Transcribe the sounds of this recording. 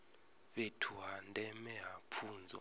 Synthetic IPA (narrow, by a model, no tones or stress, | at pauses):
ɓetʰuɦandʱʼɛmɛɦapʰuːnd͡zʱɔ̰